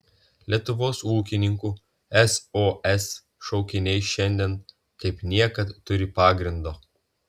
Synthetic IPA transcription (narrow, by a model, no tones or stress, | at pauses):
lʲiɛt̪ʊʋoːsuːkʲɪnʲɪŋkuː | ɛsoːɛs | ʃɒʊkʲɪnʲɛɪʃʲɛnʲd̪ʲɛn | kɐɪpnʲiɛkɐt̪ːʊɾʲɪpɑːɡɾʲɪnd̪oː